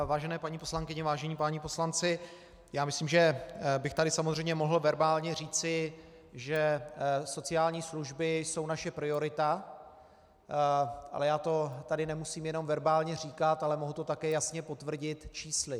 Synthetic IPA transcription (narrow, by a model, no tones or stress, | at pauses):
vaːʒɛnɛːpaɲiːposlaŋkɪɲɛvaːʒɛɲiːpaːɲipo̞slant͡sɪ | jaːmɪsliːmʒɛbɪxt̪adɪsamozr̝ɛjmɲɛmo̞ɦl̩vɛɾbaːlɲɛr̝iːt͡sɪ | ʒɛso̞t͡sɪjaːlɲiːsluʒbɪso̞wnaʃɛpɾɪo̞ɾɪt̪a | ʔa̰lɛjaːt̪o̞t̪adɪnɛmusiːmjɛno̞mvɛɾbaːlɲɛr̝iːkat̪alɛmo̞ɦut̪o̞t̪akɛːjasɲɛpo̞t̪vr̩ɟɪt̪t͡ʃiːslɪ